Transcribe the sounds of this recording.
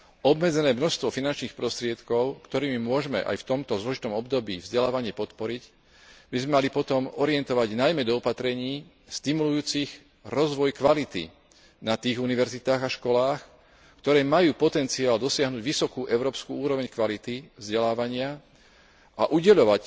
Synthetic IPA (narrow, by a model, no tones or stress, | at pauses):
ɔbmɛd͡zɛnɛːmnɔst̪ʋɔfinant͡ʃniːxpɾɔst̪ɾɪɛt̪kɔʊkt̪ɔɾiːmimʊɔʒmɛ̰ʔa̰jft̪ɔmt̪ɔzlɔʒit̪ɔmɔbd̪ɔbḭːvzɟɛlaːʋaɲɪɛpɔt̪pɔɾic | bizmɛmalipɔt̪ɔmɔɾiɪɛnt̪ɔʋaɟnajmɛd̪ɔːpat̪ɾɛɲiː | st̪imulujuːt͡six | ɾɔzʋɔjkʋalit̪ḭ | nat̪iːɣuniʋɛɾzit̪aːɣaʃkɔlaːx | kt̪ɔɾɛːmajuːpɔt̪ɛnt͡siaːld̪ɔsɪaɦnuːɟʋisɔkuːʔɛʊɾɔːpskuːuːɾɔʋɛɲkʋalit̪ivzɟɛlaːʋaɲɪa | aʔuɟɛʎɔʋac